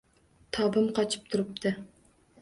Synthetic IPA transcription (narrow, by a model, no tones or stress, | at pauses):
t̪ʰɒbɪmqʰɒt͡ʃʰɪ̥p̚t̪ʰʊɾɪp̚t̪ʰɪ